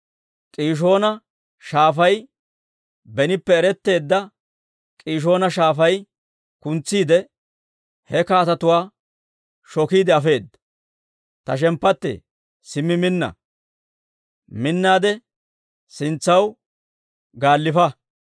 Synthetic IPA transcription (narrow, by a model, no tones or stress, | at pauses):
kʼiːʃ̬o̞ːnɐ | ʃaːfɐj | bɛnɪpːɛːɾɛt̪ːe̞ːd̪ːɐ | kʼiːʃ̬o̞ːnɐʃaːfɐj | kʊnt͡sːiːd̪ɛ | hɛkaːt̪ɐt̪ʊwaː | ʃɔkiːd̪ɛɐfe̞ːd̪ɐ | t̪ɐʃ̬ɛmpːɐt̪ːɛ̰ | sɪmːɪmɪnːɐ̰ | mɪnːaːd̪ɛ | sɪnt͡sːɐw | ɡaːlːɪfɐ